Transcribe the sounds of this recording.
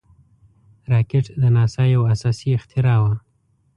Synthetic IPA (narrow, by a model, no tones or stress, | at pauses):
ɾɑkɪʈd̪ənɑsɑjawasɑsiɪxt̪ɪɾɑwa